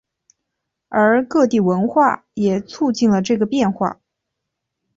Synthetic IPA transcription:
ə˞˧˥kɤ˥˧t̪̬i˥˩wə˧˥nxwa˥˩ | jɛ˨˩t͡sʰu˥˧t͡ɕi˥˩nlə˩ʈ͡ʂɤ˥˩ɡə˩pjɛ˥˧nxwa̰˥˩

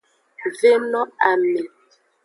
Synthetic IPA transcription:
ve˦nɔ˦a˨me˨

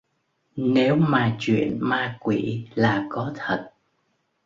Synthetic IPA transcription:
ne˨˦wmaː˨˩t͡ɕwḭ˧˨ənmaː˧kwḭ˧˩˨laː˨˩kɔ˨˦t̪ʰə˨˩t̚

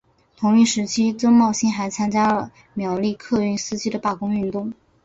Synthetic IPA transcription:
t̪ʰʊ˧˥ŋy˥˩ʂɻ̩˧˥t͡ɕʰi˥ʈ͡ʂɤ˥ŋmɑ˥˩ʊɕi˥xa˧˥ɪt͡sʰa˥nt͡ɕja˥lə˨˩ | mjɑ˧˥ʊli˥˧kʰɤ˥˧y˥˩nsɹ̩˥t͡ɕi˥d̪ə˨pa˥˩kʊ˥ŋy˥˧nt̪ʊ˥˩ŋ

